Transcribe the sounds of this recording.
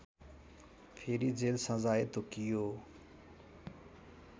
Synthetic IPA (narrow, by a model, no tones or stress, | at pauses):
pʰeːɾiːd͡ʒeːlsãːzaːeːt̪oːkɪjoː